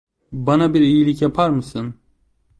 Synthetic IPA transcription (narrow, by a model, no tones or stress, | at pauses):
banabiɾijilʲicjapʰaɾmɯsɯn